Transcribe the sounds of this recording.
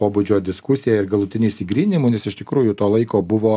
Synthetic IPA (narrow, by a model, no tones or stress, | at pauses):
poːbud͡ʒʲoːd̪ʲɪskʊsʲɪjæɪɾɡɐlˠʊt̪ʲɪnʲuːisʲɪɡɾʲiːnʲɪmuːnʲɛsɪʃt̪ʲɪkɾuːjʊt̪oːlˠɐɪkoːbʊʋoː